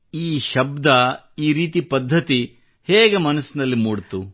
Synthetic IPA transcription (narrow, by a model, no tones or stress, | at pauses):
iːʃɐbd̪ɐ | iːɾiːt̪ipɐd̪ʱːɐt̪i | heːɡe̞mɐnɐsːinɐlːimuːɽt̪u